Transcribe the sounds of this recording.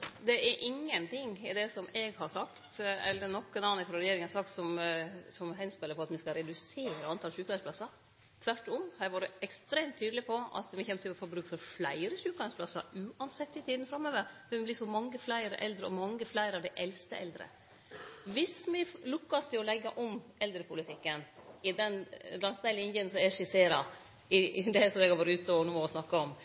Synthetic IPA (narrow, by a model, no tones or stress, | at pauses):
d̪ɛʔɛɾʔɪŋːənt̪ɪŋɪd̪ɛsɔmɛɡhɑɾʂɑkt̪ɛ̰lːənɔkːənɑːnɪfɾɔɾɛjeːɾɪŋɑsɑk̚t̪sɔmsɔmɦɛnspɛləpɔɑt̪mɪskɑɾɛd̪ʉseːɾəɑnt̪ʰɑlʃʉːkɑɾsplɑsːɑɾ | t̪ʰʋæʈːɔmhɑɛɡʋɑːɾəɛkst̪ɾeːmt̪ʰːyːd̪əlɪpʰɔɑ̰t̪mɪçɛmt̪ʰɪɔfɔɾbɾʉːkfɔɾflæɪɾəʂʉːkɑɾspʰlɑsːɑ̰ɾʉːɑnsɛt̪ːɪt̪ʰiːd̪n̩fɾɑmːøːʋəɾfɛɛblɪsɔmɑŋːəflæɪɾəʔɛ̰ld̪ɾəɔ̰mɑŋːəflæɪɾəɑʋd̪ɛʔɛlst̪əʔɛ̰ld̪ɾə̰ | ʋɪsmɪlʊkːɑst̪ʰɪlɔlɛɡːɑʔɔmɛld̪ɾəpʰʊlɪt̪ʰɪkːənɪd̪ɛnlɑnsnæɪlɪnjənsɔɛʂɪseːɾɑ̰ | ɪd̪ɛsɔmɛɡhɑɾʋɑːɾəʉːt̪ɔʋənuːmɔʋɪsnɑkːɑɔm